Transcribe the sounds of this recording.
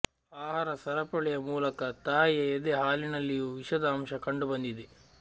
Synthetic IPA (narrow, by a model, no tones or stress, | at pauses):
aːɦaːɾɐsɐɾɐpɐɭɛjɐmuːlɐkɐt̪aːjɐed̪eɦaːlinɐlːijuːʋiʃɐd̪aːmʃɐkɐɳɖubɐnd̪id̪e